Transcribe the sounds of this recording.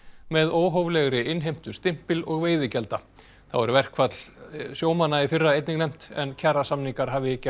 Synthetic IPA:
mɛðoːwɦoːwvlɛɣɾɪʔɪnɦejm̥t̪ʏ̥st̪ɪm̥pɪlɔɣveːjðɪcɛlt̪a | θa̰wɛɾʏvɛr̥kʰvat̪lsjoːwmanːaifɪrːaejt̪niŋnɛjm̥t̪ɛ̰ncʰɛrasamniŋkaɾ̥ɦaːvɪɪcːa

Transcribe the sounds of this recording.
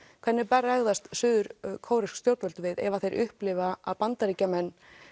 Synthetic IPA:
kʰvɛnːɪpɛrːaɛɣðast̪sʏːðʏɾkʰoːwɾɪskst̪jowɾt̪vœlt̪ʏvɪðɛ̰vaθejɾʔʏhplɪvaaðpant̪aɾiːcamɛnː

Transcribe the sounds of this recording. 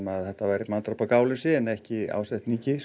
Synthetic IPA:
maðθɛht̪avajɾɪmant̪ɾapakaːwlʏsɪɛnɛhcɪa̰ːwsɛht̪niŋcɪ

